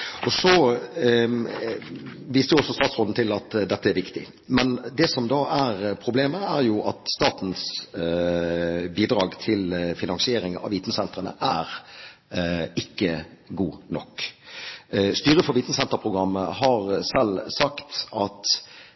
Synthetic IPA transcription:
ɔsɔ | ʋiːst̪əjʊɔsɔst̪ɑːt̪sʁoːd̪n̩t̪ʰɪlɑt̪d̪ɛt̪ːəæɾʋɪkt̪ɪ̰ | mɛnd̪ɛsɔmd̪ɑːʔæɾpʰɾʊbleːməæɾjʊʔɑt̪st̪ɑːt̪n̩s | biːd̪ɾɑːɡt̪ʰɪlfɪnɑŋsɪeːɾɪŋɑ̰ːʋiːt̪n̩sɛnt̪ʁənə̰ʔæɾ | ɪkːəɡuːnɔ̰kː | st̪yːɾəfɔɾʋiːt̪n̩sɛnt̪əɾpʰʁʊɡɾɑmːəhɑɾsɛlsɑkt̪ʔɑt̪

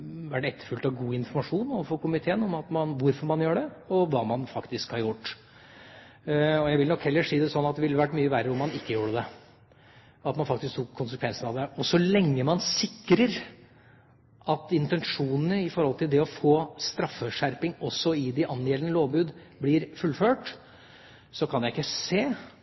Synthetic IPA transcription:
ʋæʈɛt̪ːəɾfʉlt̪ɑʋɡuːɪnfɔɾmɑʂuːnɔfoːkʊmɪt̪ʰeːənɔmɑt̪mɑnʋʊɾfɔɾmɑnjøːɖɛɔʋɑːmɑnfɑkt̪ɪskhɑɾjʊʈː | ɔjæɪʋɪlnɔkhɛlːəʂiːd̪ɛsɔnːɑt̪̚d̪ɛʋɪlːəʋæʈːmyːəʋæːɾəɔmːɑnɪkːəjuːɖəd̪ɛ | ɑt̪mɑnfɑkt̪ɪsk̚t̪ʊkkʰːʊnsəkʰʋɛnsənɑʋd̪ɛɔsɔlɛŋːəmɑnsɪkːɾəɾ | ʔɑt̪ɪnt̪ɛnʂuːnənəɪfɔɾhɔlt̪ʰɪld̪ɛɔfoːst̪ɾɑfːəʂæɾpɪŋɔsɔɪd̪ɪʔɑneːlənəloːʋbʉːd̪ | blɪːɾfʉlːføːʈ | sɔkʰɑnjæɪɪkːəseː

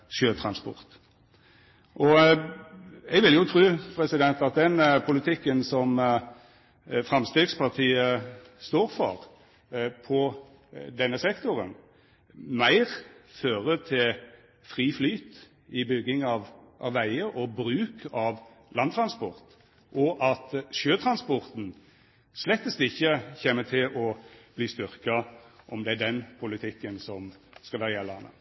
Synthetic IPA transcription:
ʃøːt̪ʰɾɑnspɔ̰ɾt̪ | ʔɔ | ɛɡʋɪljʊt̪ʰɾʉːpʰɾɛsɪd̪ɛnt̪ɑt̪̚d̪ɛnpʰʊlɪt̪ʰɪkːənsɔm | fɾɑmst̪eːɡspʰɑʁt̪ʰiːə | st̪oːɾfɔ̰ɾ | pʰɔ | d̪ɛnːəsɛkt̪ʊɾə̰n | mæɪʁføːɾət̪ʰɪl | fɾiːflyːt̪ | ɪbʏɡːɪŋɑʋ | ʔɑʋːæɪəʔɔbɾʉːkʰɑʋ | lʔɑnt̪ʰɾɑnspɔɾt̪ | ʔɔʔɑt̪ʃøːt̪ʰɾɑnspɔɾt̪n̩ | slɛt̪ːəst̪ɪçːəçeːmət̪ʰɪlɔb̥liːst̪ʏɾkɑʔɔmd̪ɛæɖ̪ɛnpʰʊlɪt̪ʰɪkːənsɔmskɑlɑːjɛlːɑnə̰

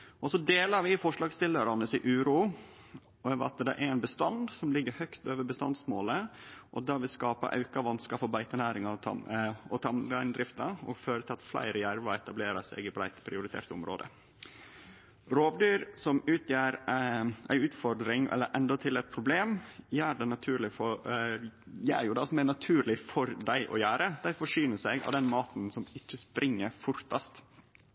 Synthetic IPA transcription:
ʔɔsɔd̪eːləɾʋɪfɔʂlɑːɡst̪ɪləɾɑnəsɪʔʉːɾuː | ɛːʋɑ̰t̪d̪ɛ̰ʔæɾæɪnbəst̪ɑnd̪sɔmlɪɡːəɾhœkt̪øːʋəbəst̪ɑnd̪smoːləʔɔd̪ɑʋɪlskɑːpə̰ʔɑ̰ʉkɑʋɑnskɑfɔɾbæɪt̪ənæːɾɪŋɑ̰ | ɔt̪ʰɑmɑɪnd̪ɾɪft̪ɑɔ̰ɡføːɾət̪ʰɪlɑt̪flæ̰ɪɾəjæɾʋəɛt̪ɑbleːɾɑsæ̰ɪɡɪblæɪt̪pʰɾɪʊɾɪt̪ʰḛːɾt̪ʊmɾo̰ːd̪ə̰ | ɾoːʋd̪yːɾsɔmʉːt̪ʰjæːɾʔæ̰ɪʉːt̪fɔɾd̪ɾɪŋʔɛ̰lːəɾʔɛ̰nd̪ɔt̪ʰɪlɛɪt̪̚pʰɾʊbleːmjæːɖɛnɑt̪ʰʉːɾlɪfɔ | jæ̰ːɾjʊd̪ɑsɔmænɑt̪ʰʉːɾlɪfɔɾd̪æɪʔɔ̰jæːɾəd̪̥æɪfɔʂyːnəsæɡɑ̰ʋd̪ɛnmɑːt̪nsɔmɪt͡ʃːəspɾʔɪŋːəɾfʊɾt̪ɑst̪

